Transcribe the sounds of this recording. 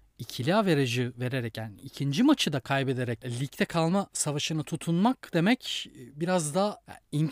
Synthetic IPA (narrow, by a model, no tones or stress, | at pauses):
icʰilʲiaːve̞ɾeʒive̞ɾeɾɛcænicʰind͡ʒimat͡ʃʰɯd̪akʰajbe̞d̪e̞ɾɛc̚lʲict̪ʰɛkʰalˠmasavaʃɯnɯt̪ʰut̪ʰunmakd̪̥e̞mɛcːbiɾazd̪aa̰iɲ